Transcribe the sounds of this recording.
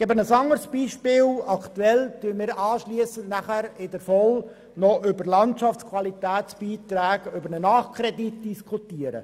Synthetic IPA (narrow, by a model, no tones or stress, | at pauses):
ɛbənəsɑŋəɾsb̥iːʃpɪːlɑkt̪uɛltymɪːɾʔɑːʃliəsəntnæχæɾɪdəɾfɔl | nɔʔʏbəɾlɑntʃɑftt͡sskʰwɑlitæːtsb̥iːt̪ɾæːɡʏbəɾnənɑːχkʰɾɛditd̥iskʰutiəɾə̰